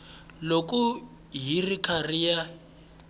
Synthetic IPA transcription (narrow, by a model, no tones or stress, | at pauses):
lokʼu | ɦirikʰarija